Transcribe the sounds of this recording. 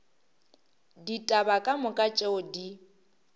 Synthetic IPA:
ditʼabakʼamʊkʼat͡ʃʼeʊdi

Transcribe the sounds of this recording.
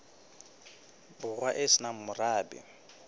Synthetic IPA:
bʊɣwaʔɪsɪnam̩mʊraːbɪ̰

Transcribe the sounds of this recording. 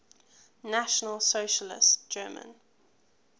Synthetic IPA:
naʃənəlˠsoʊʃəlɪ̰std͡ʒ̥ɜːmə̰̃n

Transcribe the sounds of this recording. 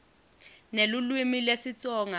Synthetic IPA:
nelulwimilesit͡sʼɔːŋa

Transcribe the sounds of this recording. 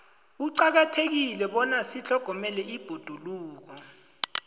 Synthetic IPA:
uǀak̬atʰek̬ilɛɓɔnasiɬʰɔɡ̥ʱɔmɛlɛib̥ʱod̥ʱuluːk̬ɔ

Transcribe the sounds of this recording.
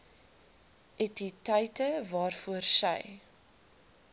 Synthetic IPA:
ʔɛtitɐjtəvɑːrfuərsə̰j

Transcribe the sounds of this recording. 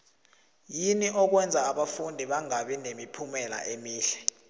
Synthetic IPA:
jiniʔɔk̬wɛnd͡zʱaːɓafundʱiɓaŋaɓinemipʰumɛla̰ʔemiːɬɛ̥

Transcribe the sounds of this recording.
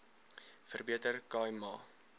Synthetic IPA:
fərbiətərkɑːjmɑː

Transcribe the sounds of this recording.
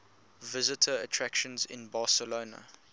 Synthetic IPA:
vɪzɪtʰəːtʰɹækʃə̃nzɪ̰̃nbɑːˑsəloːnə̰

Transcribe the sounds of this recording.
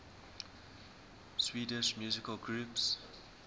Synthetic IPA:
swiːdɪʃmjuːzɪkəlɡɹuːps

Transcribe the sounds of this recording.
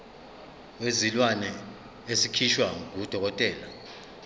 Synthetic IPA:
wezilwanɛ | esikʰiʃwaud̥ʱɔk̬ɔtʼɛːla

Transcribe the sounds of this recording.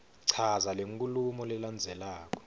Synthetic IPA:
ǀʰazaleŋkʼulumɔlɛland͡zʱɛlaːk̬ɔ̥

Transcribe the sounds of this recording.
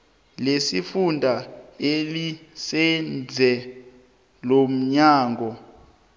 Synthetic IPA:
lesifundʱaelisɛnd͡zʱɛ | lom̩ɲaːŋʱɔ

